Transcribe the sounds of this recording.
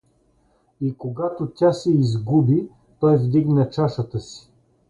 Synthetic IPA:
ikoɡat̪ot̪ʲasɛizɡubi | t̪ɔjvd̪iɡnɐt͡ʃaʃət̪əsi̥

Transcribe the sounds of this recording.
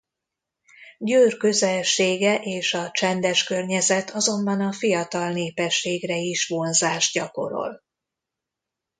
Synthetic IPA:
ɟøːrkøzɛlʃeːɡɛʔeːʃɒt͡ʃɛnd̪ɛʃkørɲɛzɛt̪ʰɒzo̞mbɒnɒfijɒt̪ɒlneːpɛʃːeːɡrɛiʃʋo̞nzaːʒɟɒko̞̰ɾo̞̰l

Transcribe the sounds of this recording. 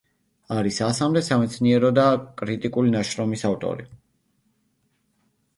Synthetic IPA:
aɾisasamd̪ɛsamɛt̪sʰniɛɾɔd̪akʼɾit̪ʼikʼulinaʃɾɔmisavt̪ʼɔ̰ɾi

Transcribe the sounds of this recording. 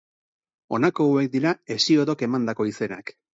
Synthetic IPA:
o̞̰nako̞ue̞k̚d̪iɾae̞sio̞ðo̞ke̞mand̪ako̞ise̞nak

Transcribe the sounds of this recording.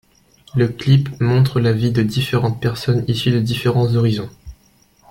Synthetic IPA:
ləklipmɔ̃t̪χəlavid̪əd̪ifeʁɑ̃t̪̚pɛʁsɔnisyd̪əd̪ifeʁɑ̃zɔʁizɔ̃

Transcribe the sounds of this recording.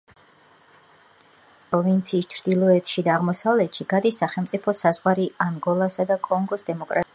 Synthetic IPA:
pʼɾɔvint̪sʰiːst͡ʃʰɾd̪ilˠɔɛt̪ʼʃid̪aːʁmɔsavlɛt̪ʃiɡad̪isːaχɛlˠmt̪sʼipʰɔsazʁwaɾiaŋɡɔlˠasad̪akʼɔŋɡɔsd̪ɛmɔkʼɾat

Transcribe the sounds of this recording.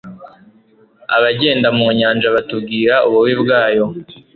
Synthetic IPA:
a̰βaɟe̞ːndamuːɲaːnd͡ʒaβatubɡiːɾaʔuβuwibɡaːjo̞

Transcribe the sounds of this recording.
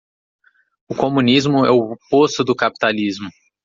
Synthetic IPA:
ʊkomũnizmʊɛʊpost̪ʊd̪ʊkapi̥t̪alizmʊ

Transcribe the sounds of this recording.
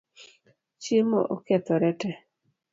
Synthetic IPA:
t͡ʃimo̰ʔokɛt̪ɔɾɛtɛ

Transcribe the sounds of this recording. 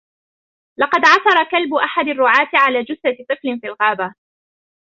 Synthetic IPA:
lɑqɑd̪ʕɑsɑɾˤɑkalbʊʔaħad̪arːʊʕaːt̪ɪʕalaːd͡ʒʊsat̪ˤɨflɪnfiːlɣaːba

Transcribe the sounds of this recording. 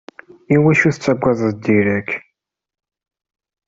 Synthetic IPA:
iwæʃuθət͡sːæɡʷːæðˤðd̪iɾæk

